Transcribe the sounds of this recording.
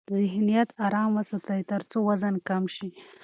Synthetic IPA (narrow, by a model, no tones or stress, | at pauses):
zɪɦnijat̪aɾɑməsat̪ajt̪əɾt͡sowazankamʃi